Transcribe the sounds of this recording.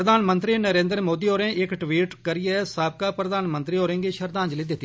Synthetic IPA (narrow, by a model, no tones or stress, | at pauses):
ɾəd̪aːnmə̃nt̪ɾiːnəɾẽːnd̪əɾmoːd̪iːoːɾẽːʔɪkʈʋiːʈkəɾiɛːsaːb̚kaːpɾəd̪aːnmə̃nt̪ɾiːoːɾẽːɡiːʃəɾd̪ãːɲd͡ʒliːd̪ɪt̪ːi